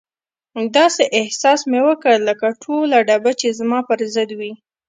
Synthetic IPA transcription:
d̪ɑseʔɪhsɑsmewəkəɽləkaʈʰolaɖabat͡ʃezmɑpəɾzəd̪wi

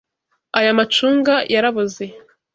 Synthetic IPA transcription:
ajamat͡ʃuːŋɡajaɾaβuze

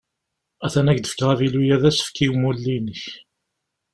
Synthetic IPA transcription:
æθænækd̪ə̥fə̥kːʁævilujæðæsfkiwmulːinəç

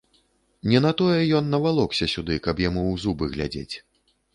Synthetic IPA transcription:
nʲɛnat̪ɔjɛjɔnːɐvalˠɔksʲɐsʲud̪ɨkɐpjamuwzubɨɣlʲa̰d͡zʲḛt͡sʲ

